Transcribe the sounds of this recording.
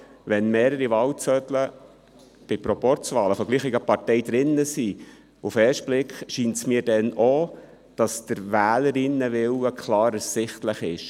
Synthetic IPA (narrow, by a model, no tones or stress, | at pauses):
ʋɛnmeːɾəɾiʋɑːwt͡sœtlə | b̥ɪpɾɔpɔɾt͡sʋɑːləfɔɡliːχɪɡəpɑrtɛjd̥̪ɾɪnːəsi | ufɛːʃt̚b̥lɪkχʃiːntsmiːɾdɛno | d̥ɑsd̥əɾʋæːləɾɪnːəʋɪwəkʰlɑːɾəsɪχtləχɪ̰ʃ